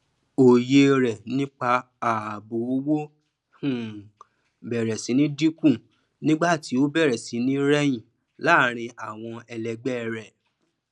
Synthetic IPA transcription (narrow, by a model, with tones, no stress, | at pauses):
o˨je˧ɾɛ˨nĩ˦k͡pa˧ | a˨bu˨o˧wo˦ | hũ˨ | bɛ˨ɾɛ˨sĩ˨˦nĩ˦di˦kũ˦˨ | nĩ˦ɡ͡ba˦˨ti˨˦o˦bɛ˦˨ɾɛ˨sĩ˨˦nĩ˦ɾɛ˦jĩ˦˨ | la˨˦˨ɾ̃ĩ˧a˨w̃ɔ̃˧ɛ˧lɛ˧ɡ͡bɛ˦˨ɾɛ˨